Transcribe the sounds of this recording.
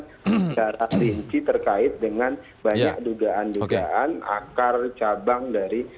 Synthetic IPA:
ət͡ʃaɾaɾiɲt͡ʃit̪ərkaɪt̪̚dəŋan | baɲa̰k̚duɡaʔanduɡaʔana̰kart͡ʃabaŋdaɾi

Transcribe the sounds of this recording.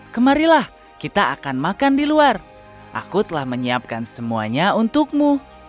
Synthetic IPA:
kəmaɾilah | kit̪aakanmakandiluar | ʔa̰kut̪əlahməɲiap̚kansəmua̰ɲaunt̪ʊk̚mu

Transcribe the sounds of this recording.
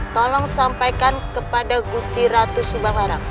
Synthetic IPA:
t̪ɔlɔŋsampajkankəpadaɡust̪iɾat̪usubahmaɾa

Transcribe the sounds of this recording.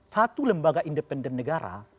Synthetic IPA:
sat̪uləmbaɡaʔindəpɛndənːəɡaɾa̰

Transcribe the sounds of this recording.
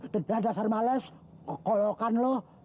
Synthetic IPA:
t̪ədad̪asarmalɛs | kolɔkanlɔh

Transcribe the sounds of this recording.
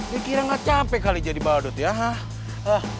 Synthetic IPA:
ikiɾaŋɡat͡ʃapɛkalid͡ʒadibawadɔt̪jaɦa | ah

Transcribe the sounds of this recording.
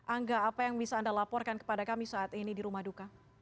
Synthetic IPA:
ʔaŋɡaːpajaŋbisaːndalapɔrkankə̥padakamisaːt̪inidiɾumahduka

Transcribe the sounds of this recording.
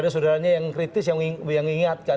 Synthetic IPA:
dasodaɾaɲajaŋkɾit̪ɪsjaŋijaŋiŋat̪̚ka

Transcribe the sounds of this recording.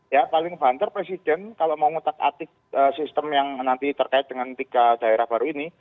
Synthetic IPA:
japalɪŋb̥ant̪ərpɾesid̥ɛnkaloʔmauŋut̪ak̪̚a̰t̪ɪk | əːsist̪əmjaŋnant̪it̪ərkaɪt̪̚d̥̪əŋant̪iɡ̥ad̥a̤eɾahb̥aɾuini

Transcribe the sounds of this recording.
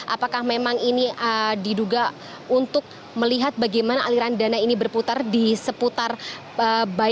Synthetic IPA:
ʔa̰pakahmemaŋiniədiduɡa | unt̪ʊk̚ | məliɦat̪̚baɡajmanaʔaliɾandanainibərput̪ardisəput̪ar | əba

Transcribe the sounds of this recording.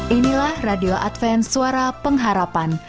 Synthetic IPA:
ʔinilahradioʔat̪fɛnsuaɾapəŋɦaɾapan

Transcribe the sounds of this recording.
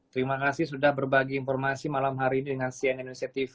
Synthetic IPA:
t̪əɾimakasihsudahbərbaɡiːnfɔrmasimalamɦaɾiːnidəŋansianinisiat̪if

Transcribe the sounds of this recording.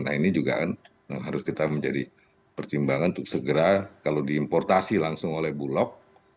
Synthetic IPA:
nainid͡ʒuɡa̰kan | ja̰ŋɦaɾʊskit̪aməɲd͡ʒadi | pərt̪imbaŋanunt̪ʊksəɡəɾakalodiːmpɔrt̪asilaŋsʊŋolɛhbulɔk̚

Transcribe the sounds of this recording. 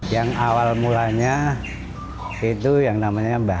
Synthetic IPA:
jaŋawalmulaɲa | it̪ujaŋnamaɲaba

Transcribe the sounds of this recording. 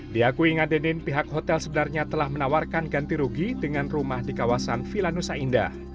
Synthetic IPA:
diakuiŋadənɪnpiɦak̚ɦot̪ɛlsəbənarɲat̪əlahmənawarkanɡant̪iɾuɡidəŋanrumahdikawasanfilanusainda̰

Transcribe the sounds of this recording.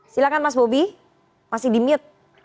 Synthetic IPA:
silakanmas̬bobi | masɪhdimiət̪̚

